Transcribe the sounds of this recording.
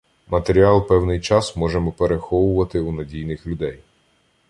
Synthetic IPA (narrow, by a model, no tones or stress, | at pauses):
mɐt̪eɾʲiɑlˠpɛwnɪjt͡ʃɑsmɔʒemɔpeɾexɔʋʊʋɐt̪ɪunɐdʲijnɪxlʲʊd̪ɛj